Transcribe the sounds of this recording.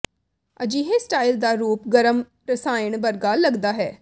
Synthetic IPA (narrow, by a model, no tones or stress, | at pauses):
əd͡ʒiːɦeːsʈaːild̪aːɾuːpɡəɾəm | ɾəsaːɪɳbəɾɡaːləɡd̪aːɦɛː